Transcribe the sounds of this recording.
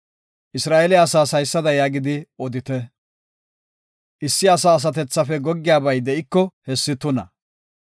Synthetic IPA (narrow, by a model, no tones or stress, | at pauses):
ʔɪsɾaːʔɛlɛɐsaːsɐjsːɐd̪ɐjaːɡɪd̪ɪɔd̪ɪt̪ɛ | ʔɪsːɪɐsaːs̬ɐt̪ɛt͡sːɐfɛɡɔɡːɪjaːbɐjd̪ɛʔɪkːɔhɛsːɪt̪ʊnɐ